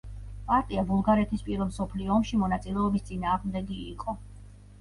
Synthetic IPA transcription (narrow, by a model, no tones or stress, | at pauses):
pʼaɾt̪ʼiabulˠɡaɾɛt̪ʰispʼiɾɛlmsɔpʰliɔːmʃimɔnat̪sʼilɛɔbist̪sʼinaːʁmd̪ɛɡiːqʼɔ